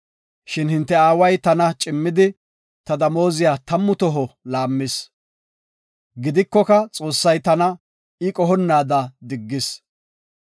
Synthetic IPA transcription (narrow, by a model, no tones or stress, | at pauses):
ʃɪnhɪnt̪ːɛaːwɐjt̪ɐnɐt͡ʃʼɪmːɪd̪ɪ | t̪ɐd̪ɐmo̞ːzɪjaːt̪ɐmːʊt̪ɔɦɔlaːmːɪs | ɡɪd̪ɪkːɔkɐt͡sʼo̞ːsːɐjt̪ɐnɐ | ɪkʼɔɦɔnːaːd̪ɐd̪ɪɡːɪs